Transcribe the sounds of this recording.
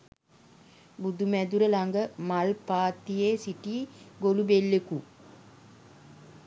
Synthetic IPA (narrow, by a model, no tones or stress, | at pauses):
bud̪umæd̪uɾəlaŋɡəmalpaːt̪ːijeːsiʈiːɡolubelːeku